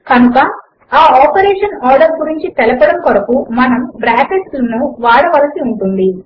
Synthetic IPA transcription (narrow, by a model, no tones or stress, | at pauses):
kɐnukɐ | aːaːpɐɾɛːʂɐnaːɾɖɐɾɡuɾiɲt͡ʃit̪ɛlɐpɐɽɐmkɔɾɐkumɐnɐmbɾaːkeʈslɐnuʋaːɽɐʋɐlɐsiuɳʈund̪i